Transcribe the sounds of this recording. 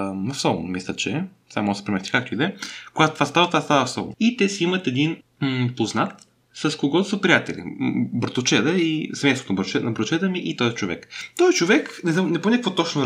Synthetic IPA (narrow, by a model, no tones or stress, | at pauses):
nɐfsɔl̰ˠmislʲət͡ʃɛ | samɔsə̥pɾʲimɛst̪i̥kak̚t̪oid̪ɛkoɡat̪ot̪vast̪avət̪vast̪avəfsɔ̰lˠit̪ɛsiimɐt̪ɛd̪in | poznat̪ | sɐskoɡɔt̪səpɾijat̪ɛlḭbəɾt̪ʊt͡ʃɛd̪əisɛmɛ̃sot̪onbɾt͡ʃɛnɐbɾt̪t͡ʃɛd̪əmiʔit̪ɔzit͡ʃovɛ̰kt̪ɔzit͡ʃovɛknɛzanɛpomɛnʲɛkvɔt̪ɔt͡ʃno